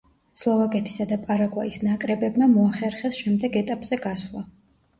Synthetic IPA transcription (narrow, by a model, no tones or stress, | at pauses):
slˠɔvakʼɛt̪ʰi̥sad̪apʼaɾaɡwaisnakʼɾɛbɛbmamɔaχɛɾχɛsʃɛmd̪ɛɡɛt̪ʼapʼz̥ɛɡaslˠa